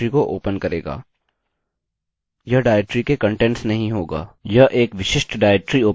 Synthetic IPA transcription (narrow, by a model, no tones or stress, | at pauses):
ɾikoʔoːpənkɐɾḛːɡa̰ː | jɐɦɖaːʈɾikekɐ̃ɳʈɛ̃ɳʈsnɐɦĩɦoːɡa̰ːjɐɦʔeːkʋɪʃɪʃʈɖaːɪk̚ʈɾioː